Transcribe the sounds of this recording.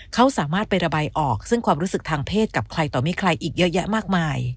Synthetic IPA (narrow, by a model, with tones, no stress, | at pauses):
kʰa˦˥wsaː˨˩˦maː˥˩t̪̚pa˧jɾa˧baː˧jʔɔː˨˩k̚sɯ˥˩ŋkʰwaː˧mɾuː˦˥sɯ˨˩k̚t̪ʰaː˧ŋpʰeː˥˩t̪̚ka˨˩p̚kʰɾa˧jt̪ɔː˨˩mi˦˥kʰɾa˧jʔiː˨˩k̚jɤ˦˥ʔja˦˥ʔmaː˥˩k̚maː˧j